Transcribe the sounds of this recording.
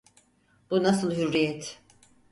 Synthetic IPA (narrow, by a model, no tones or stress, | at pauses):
b̥unasɯlˠɦyɾːijɛt̪